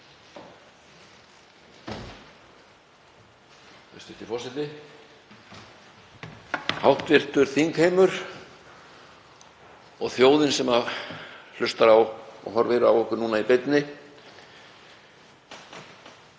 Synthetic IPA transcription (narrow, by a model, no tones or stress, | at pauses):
θɛ̰st̪ʏht̪ɪfɔsɛt̪ɪ | hawht̪vɪr̥t̪ʏɾ̥θiŋkheːjmʏɾ̥ | ɔɣθjoːwðɪnsɛmavl̥ʏst̪aɾawɔ̰ɦɔɾvɛːɾʏawɔhkʏɾnuːnaipɪt̪nɪ